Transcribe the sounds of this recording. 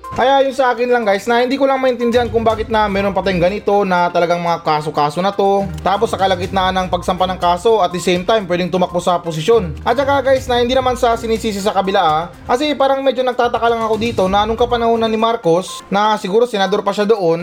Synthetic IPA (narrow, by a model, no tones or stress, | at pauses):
kɐjajʊnsɐʔaːkɪnlɐŋɡajsnɐhɪnd̪iːkʊlaŋmɐʔɪnt̪ɪnd̪ɪhankʊŋbaːɡɪt̪nɐmɛːɾonpɐt̪ajŋɡɐnɪt̪o̞nɐt̪ɐlɐɡaŋmɐŋakaːso̞kaːso̞nɐt̪o̞t̪aːpo̞sːɐkɐlɐkɪt̪naʔanɐŋpɐɡ̚sɐmpanɐŋkaːso̞ʔɐt̪̚d̪ɪsɛjmt̪ajmpwɛːd̪ɪŋt̪ʊmɐk̚posɐpos̬ɪʃjo̞nʔɐt̪̚t͡ʃɐkaɡajsnɐhɪnd̪iːnɐmansɐsɪniːsiːs̬ɪsɐkɐbɪlaʔa | kɐsipaːɾɐŋmɛd͡ʒo̞nɐɡ̚t̪aːt̪ɐkɐlɐŋɐko̞d̪iːt̪o̞nɐʔɐno̞ŋkɐpɐnɐhoːnɐnɪmaɾko̞snɐsɪɡuːɾo̞sɛnɐd̪o̞ɾpɐʃad̪o̞ʔo̞n